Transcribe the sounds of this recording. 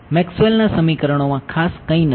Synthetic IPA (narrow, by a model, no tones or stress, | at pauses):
mɛkswelnasəmikəɾəɽ̃omãkʰaskə̃ĩn